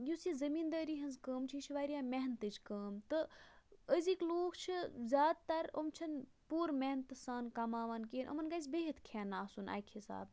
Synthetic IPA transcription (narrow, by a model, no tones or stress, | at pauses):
jusizɐmiːnd̪ɐːɾiːɦɐnzkəːmt͡ʃʰit͡ʃʰiʋaːɾijaːmeɦnt̪ɨt͡ʃʰkəːmt̪ɨ | əzikloːkʰt͡ʃʰizʲaːd̪̚t̪ɐɾo̰mt͡ʃʰɐn | puːɾmeɦnt̪saːnkɐmaːʋaːnkeːnʔɐ̰mɐnɡazʲbeɦit̪kʰeːnːaːsuna̰ːjkʰhisa̰ːb